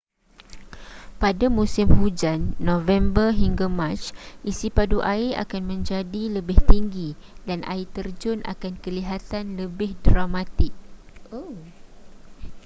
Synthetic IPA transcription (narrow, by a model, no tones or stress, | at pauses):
padamũsɪmhud͡ʒanːõvɛmbərɦiŋɡamãt͡ʃʔisipaduʔaia̰kanmə̃ɲd͡ʒadiləbɪht̪iŋɡi | danʔa̰it̪ərd͡ʒʊna̰kankəliɦat̪anləbɪhdramat̪ɪk̚ | o